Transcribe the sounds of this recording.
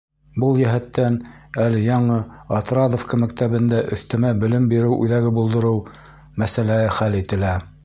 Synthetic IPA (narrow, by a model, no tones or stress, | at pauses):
bɤlˠjæɦæt̪ːænælɘjɑɴɤɑt̪ɾɑd̪ŏfkɑmækt̪æβɘ̆nd̪æʔɵ̆θt̪ɘ̆mæbɘ̆lɘmbiɾɘwʔʉ̰ðæɡɘbulˠd̪ɤ̆ɾɤw | mæsælæhɘχælit̪ɘ̆læ